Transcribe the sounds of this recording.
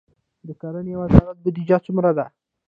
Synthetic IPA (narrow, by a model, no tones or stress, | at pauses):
d̪əkaɾanejawazɑɾat̪̚bʊd̪id͡ʒat͡sumɾad̪a